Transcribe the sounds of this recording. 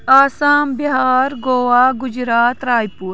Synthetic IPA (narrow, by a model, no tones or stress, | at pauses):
aːsaːmbiɦaːɾɡoːwaːɡʊd͡ʒɾaːt̪ɾaːjpuːɾ